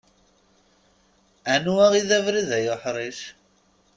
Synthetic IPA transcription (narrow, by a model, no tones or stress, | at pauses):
ænuæʁiðævɾiðæjʊħɾˤiʃ